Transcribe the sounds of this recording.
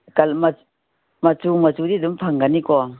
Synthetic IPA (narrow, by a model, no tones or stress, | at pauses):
kalma | mat͡sumat͡ʃudidumpʰaŋɡanikɔ